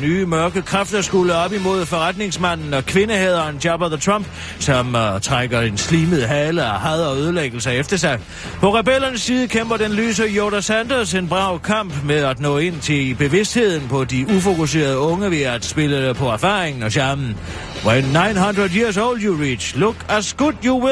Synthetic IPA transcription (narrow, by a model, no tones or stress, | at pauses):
nyːmɶɐɡ̥əðkʰʁafd̥ɐsɡ̥uləɒ̽b̥imo̝ð̰ˠfɒ̽ʁad̥ne̝ŋsmæn̰n̩ɒ̽kʰʋe̝nəheð̰ˠɐndɑb̥ɐðˠt͡sʰʁɑm̰b̥ | sɒ̽mt͡sʰʁaɡ̥ɐe̝nsliːməð̩ˠɦɛːləɒhæðˠɒøð̞ˠleɡ̥l̩səefd̥ɐsɑ̈ɪ | pʰɒ̽ʁɛbel̰ɐnəsːiːðˠəkʰemb̥ɐd̥enly̰ːs̬əjoɾæsænd̥ɔse̝nb̥ʁɑ̈ʊ̰kʰɑ̈m̰b̥meæd̥nɔ̰̽ːe̝n̰t͡sʰe̝lb̥e̝ʋe̝sd̥he̝ð̰ˠn̩pʰɒ̽diufo̝kus̬e̝̰ːɐð̞ˠɔ̽ŋəʋiæd̥sb̥e̝ləpʰɒ̽æɐfɑ̰̈ːʁeŋn̩ɒɕɑɐmn̩ | wenːɑ̈ɪnɦɑnd̥ʁɐðˠjiɐ̰s̬oʊljuʁḭ̥ɕloɡ̥æsɡ̥ud̥juwɪ